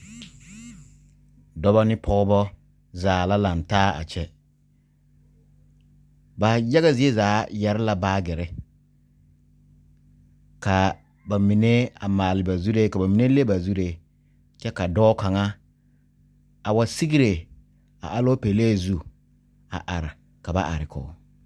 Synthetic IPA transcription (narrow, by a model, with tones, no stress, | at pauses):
dɔ˦ba˦nɪ˦pʰɔ˦bɔ˦ | zaː˨la˦la˨ntaː˦a̰˨t͡ʃɛ˦ | ba˨ja˦ɣa˨zɪ˨e˦zaː˨˦jɛ˨ɾɪ˦la˨baː˦ɡɪ˨ɾɪ˦ | ka˨ | ba˨mi˨ne˦a˨maː˨lɪ˨ba˨zu˦ɾe˦ka˨ba˨mi˨ne˦le˦ba˨zu˦de˦ | t͡ʃɛ˦ka˨dɔː˦ka˨ŋa˦ | a˨wa˨si˦ɡi˦ɾe˨ | a̰˨ʔa˦lɔ˦pe˨le˦˨zu˦ | a̰˨ʔa˨ɾɪ˨ | ka˨ba̰˦ʔa̰˨ɾɪ˨kʰɔ̰˨